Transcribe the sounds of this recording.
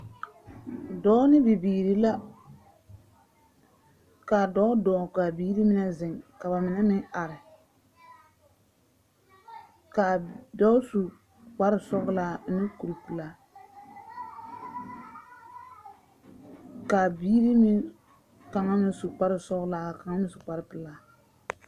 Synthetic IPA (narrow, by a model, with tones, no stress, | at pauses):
dɔː˨˦nɪ˦bi˨biː˨ɾi˦la˦ | ka˨dɔ˦dɔː˨ka˨biː˦ɾi˦mɪ˦na˦zɪ˨ŋka˨ba˨mɪ˨na˦mɪ˦ʔa˨ɾɪ˨ | ka˨dɔ˦su˨ | k͡pa˦ɾɪ˦sɔ˦ɣlaː˦nɪ˦ku˨ɾi˨pɨ˨la˦ | ka˨biː˦ɾi˦mɪ˦ | ka˨ŋa˦mɪ˦su˨k͡pa˦ɾɪ˦sɔ˦ɡlaː˦˨ka˨ŋa˦mɪ̃˦su˨k͡pa˦ɾɪ˦pɨ˨˦laː˦